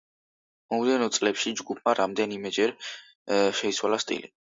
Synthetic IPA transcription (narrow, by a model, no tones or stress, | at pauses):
mɔmd̪ɛnɔt̪sʼlɛpʃid͡ʒɡupʰmaɾamd̪ɛnimɛd͡ʒɛɾ | ʃɛit̪sʰwalast̪ʼḭli